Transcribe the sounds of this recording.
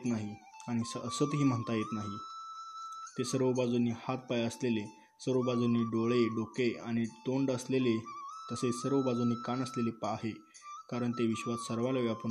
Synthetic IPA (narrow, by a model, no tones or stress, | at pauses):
t̪naɦi | aɽ̃isəsət̪ɦiːm̤əɳt̪ajet̪naɦi | t̪esəɾʋəbad͡zunːiːhat̪̚pajaəslele | səɾəbad͡zunːiːɖoɭeɖokeaɽ̃it̪oɳɖəslelet̪əsesəɾʋəbad͡zunːiːkanəslelepaːɦe | kaɾəɳt̪eʋiɕʋassəɾʋaljaʋjapu